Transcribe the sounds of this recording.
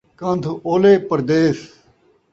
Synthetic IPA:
kɐ̃nt̪ʰuoːleːpəɾd̪eːs

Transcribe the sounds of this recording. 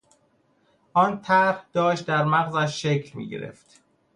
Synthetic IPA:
ʔɒːnt̪ʰæɾhd̪̥ɒːʃt̪̚d̪æɾmæɣzæʃːecʰlmḭːɟḛɾḛft̪

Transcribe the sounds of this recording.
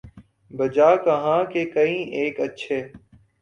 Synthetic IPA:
bəd͡ʒaːkəɦãːkeːkəĩːʔeːkətːʃʰeː

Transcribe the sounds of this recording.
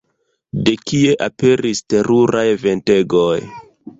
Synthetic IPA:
de̞kie̞ʔape̞ɾiste̞ɾuɾajve̞nte̞ɡoj

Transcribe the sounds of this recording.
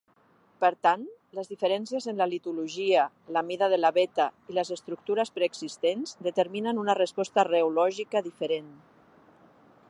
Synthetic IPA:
pəɾt̪an | ləzðifəɾɛnsiəzənlalit̪uluʒia | lamiðaðəlaβet̪ailəzəst̪ɾuk̚t̪uɾəspɾeːɡsist̪enz̥d̪ət̪əɾminənunarəspɔst̪areulɔʒikəðifəɾen

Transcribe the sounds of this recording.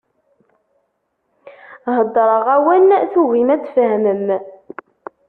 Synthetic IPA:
ɦəd̪ˤːɾˤəʁæwənθuɣimæt͡sːfɦməm

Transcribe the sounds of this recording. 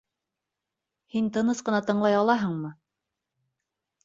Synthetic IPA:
hint̪ɤ̆nɤsqɤ̆nɑt̪ɤ̆ɴlˠɑjɑlˠɑɦɤɴmɤ

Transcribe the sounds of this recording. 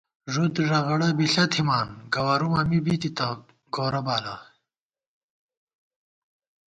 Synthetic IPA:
ʐut̪ʐɐɣɐɽɐbiɬɐt̪himaːnɡɐwɐɾumɐmibit̪it̪ɐ | ɡoːɾɐbaːla

